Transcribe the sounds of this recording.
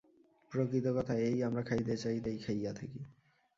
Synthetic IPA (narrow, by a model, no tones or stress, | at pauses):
pɾokɾit̪okɔt̪ʰaejamɾakʰajd̪et͡ɕajd̪ejkʰajat̪ʰeke